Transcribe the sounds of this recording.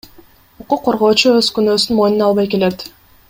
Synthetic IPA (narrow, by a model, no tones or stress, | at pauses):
uquqːo̞ɾʁo̞ːt͡ʃuøzkynøːsynmo̞jnunɑlˠβɑjke̞le̞t̪